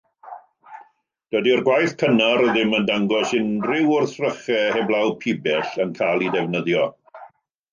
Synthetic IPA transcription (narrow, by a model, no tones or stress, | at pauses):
d̥ədiɔrɡwajθkʰənaɾəðɪməndaŋɡɔsɪndrɪwʊrθrəχɛhɛblˠawpʰɪbɛɬənkʰaːlˠidɛvnəðjɔ